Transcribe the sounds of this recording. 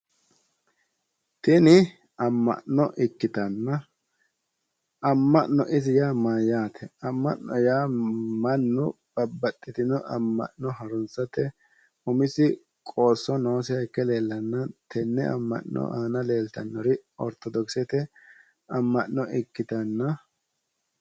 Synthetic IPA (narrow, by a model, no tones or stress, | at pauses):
t̪ɪnɪ | ɐmːɐ̰ʔnɔʔɪkːɪt̪ɐnːɐ | ɐmːɐʔnɔ̰ʔɪzɪjaːmajaːt̪ʰɛɐmːɐʔnɔjaːmɐnːʊb̥ɐbːɐt̪ʼːɪt̪ɪnɔʔɐmːɐ̰ʔnɔhɐɾʊnsɐt̪ɛ | ʊmɪsɪ | kʼo̞ːsːɔnoːsɪhɐjkːɛle̞ːlːɐnːɐt̪ʰɛnːɛ̰ɐ̰mːɐ̰ʔnɔ̰ʔaːnɐle̞ːlt̪ɐnːɔɾɪɔ̰ɾt̪ɔd̪ɔksɛt̪ɛ | ʔɐmːɐʔnɔʔɪkːɪt̪ɐnːɐ